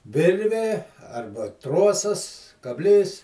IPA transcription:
ˈʋʲɪrʲʋʲeː ˈɐrbɐ ˈtroːsɐs kɐbʲˈlʲiːs

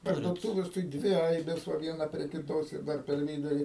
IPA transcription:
pɐrduɔˈtuːʋʲɛs tɐɪ ˈdʲʋʲɪ ˈɐɪbʲeːs ˈʋɐ ˈʋʲiɛnɐ pʲrʲiɛ kʲɪˈtoːs ɪr ˈdɐr pʲɛr ˈʋʲiːdʊrʲɪ

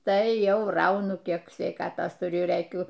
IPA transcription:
ˈtɐɪ ˈjɛʊ ˈrɐʊnʊ ˈkʲiɛk sʲʋʲɛɪˈkɑːtoːs tʊˈrʲʊ rɘˈkʲʊ

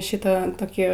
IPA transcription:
ˈʃʲɪtɐ toːˈkʲiː

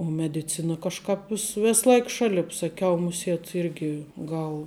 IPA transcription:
oː mʲɛdʲɪˈt͡sʲɪnɐ kɐʃˈkɑːp ʋʲɪs ˈʋʲeːs ˈlˠɐɪk ˈʃɑːlʲɪp sɐˈkʲɛʊ mʊˈsʲiɛt ˈɪrʲɡʲɪ ˈɡɐlˠ

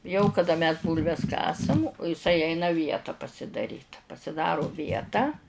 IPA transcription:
jɛʊ kɐˈdɐ mʲɛs ˈbuːlʲʋʲɛs ˈkɑːsɐm ɪˈsɐɪ ˈɛɪnɐ ˈʋʲiɛtɐ pɐsʲɪdɐˈrʲiːt pɐsʲɪˈdɑːroː ˈʋʲiɛtɑː

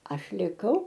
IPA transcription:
ˈɐʃ lʲɪˈkɐʊ

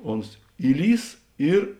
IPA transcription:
ˈoːns ˈiːˌlʲiːs ˈɪr

